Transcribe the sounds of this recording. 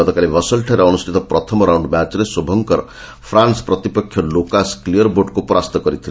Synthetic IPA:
ɔt̪ɔkalibɔsɔlʈʰaɾeɔnusʈ̪ʰit̪ɔpɾɔt̪ʰɔmɔɾawɳɖmat͡ʃɔɾesobʱɔŋkɔɾɔ | pʰɾanspɾɔt̪ipɔkʰːjɔlokasklijɔɾboʈkupɔɾast̪ɔkɔɾit̪ʰile

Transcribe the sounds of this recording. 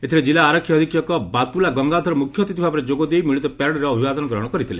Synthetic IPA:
et̪ʰiɾed͡ʒilaːɾɔkʰjɔːd̪ʱikjɔkɔbat̪ulaɡɔŋɡad̪ʱɔɾɔmukʰjɔt̪it̪ibʱabɔɾed͡ʒoɡɔd̪ejmiɭit̪ɔpaɾɽɔɾeɔbʱibad̪ɔnɔɡɾɔɦɔɽ̃ɔkɔɾit̪ʰile

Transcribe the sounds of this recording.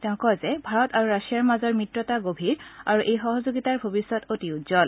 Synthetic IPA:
tɛʊ̃kɔzɛbʱaɹɔtaɹuɹasijaɹmazɔɹmitɹɔtaɡobʱiɹaɹuʔejxɔɦɔzoɡitaɹbʱobisːɔtotiʊzɔl

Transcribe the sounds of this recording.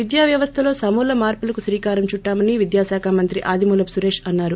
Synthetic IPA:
ʋid̪jaːʋjɐʋɐst̪ʰɐlo̞ːsɐmuːlɐmaːɾpulɐkusɾiːkaːɾɐmt͡ʃuʈːaːmɐniʋid̪jaːsaːkʰaːmɐnt̪ɾiʔaːd̪imuːlɐpsuɾe̞ːʂɐnːaːɾu

